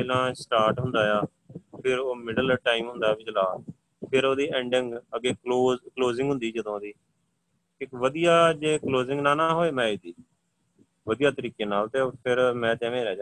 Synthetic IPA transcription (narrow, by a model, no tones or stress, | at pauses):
peːlãːsʈaːɾʈɦʊnd̪aːjaː | pʰɪɾoːmɪɖəlʈaːimɦʊ̃nd̪aːbɪd͡ʒlaː | pʰɪɾoːd̪iːɛ̃ːɳɖɪŋɡəɡeːkloːzkloːzɪ̃ŋɡɦʊ̃nd̪iːd͡ʒəd̪õːd̪iː | ɪkʋəd̪ijaːd͡ʒeːkloːzɪ̃ŋɡnãːnaːɦoːeːmɛ̃ːɪd̪iː | ʋəd̪ijaːt̪əɾiːkeːnaːlt̪eːpʰɪɾmɛ̃ːt̪ɛ̃ːʋẽːɾɛːd͡ʒã